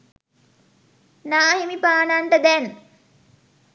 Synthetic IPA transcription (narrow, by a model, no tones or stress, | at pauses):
naːɦimipaːnanʈəd̪ɛn